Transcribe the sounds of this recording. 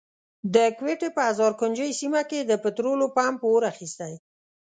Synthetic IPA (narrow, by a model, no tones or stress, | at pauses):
d̪əkweʈepəazɑɾkʊnd͡ʒəjsimaked̪əpɪt̪ɾolopɑmpəoɾaxist̪aj